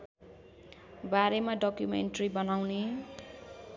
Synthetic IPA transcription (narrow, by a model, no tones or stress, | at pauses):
baɾemaɖʌkjumḛɳʈribʌnawne